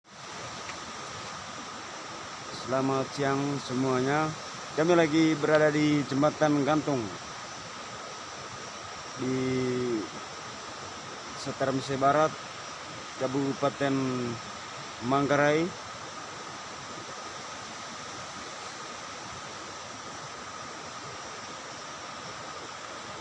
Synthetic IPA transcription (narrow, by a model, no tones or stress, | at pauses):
səlamat̪̚siaŋsəmuaɲa | kamilaɡibəɾadadid͡ʒəmat̪anɡant̪ʊŋ | di | sət̪aɾamis̬ɛbaɾat̪̚ | kabupat̪ɛn | maŋɡaɾai